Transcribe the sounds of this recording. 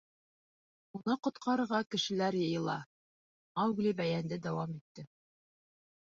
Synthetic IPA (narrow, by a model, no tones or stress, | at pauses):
unɤqŏt̪qʰɑɾɤ̆ɾʁɑkɘ̆ʃɘ̆læɾjɤ̆jɤ̆lˠɑ̰ | ɑwɡlʲibæjænd̪ɘd̪æwɑmit̪ːɘ